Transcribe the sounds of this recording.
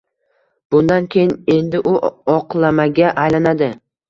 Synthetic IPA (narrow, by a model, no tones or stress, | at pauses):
b̥ʊnd̪ankʲʰejɪne̞nd̪ɪʔʊɒqlˠamaɡʲaʔajlanad̪ɪ